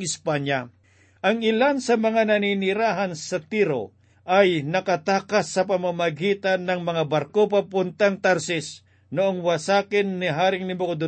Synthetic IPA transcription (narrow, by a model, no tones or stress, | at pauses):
ɪspanja | ʔɐŋɪlansɐmɐŋanɐninɪɾaːɦansɐt̪iɾo̰ | ʔɐjnɐkɐt̪aːkasːɐpɐmamɐɡiːt̪anːɐŋmɐŋabaɾkop̬apʊnt̪aŋt̪aɾsɪs | noʔoŋwasaːkɪnːɪɦaːɾɪŋnɪmokod̪ʊ